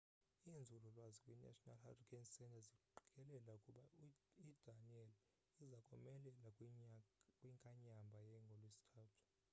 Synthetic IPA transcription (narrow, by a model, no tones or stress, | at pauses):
ind͡zʱulɔlwazikʼwina̰tʼɔnalha̰frikʰʼansɛntʰʼaziǃikʼɛlɛlaukʼuɓaid̥aniɛl | izakʼɔmɛlɛlakʼ | kʼwiŋkʼaɲambʱajɛŋɡʱɔlwesi̥tʰaːtʰu̥